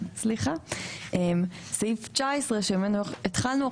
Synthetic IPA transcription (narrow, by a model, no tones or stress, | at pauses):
sliχaʔem | sejift͡ʃaesʁeʃemenueet̪χalnua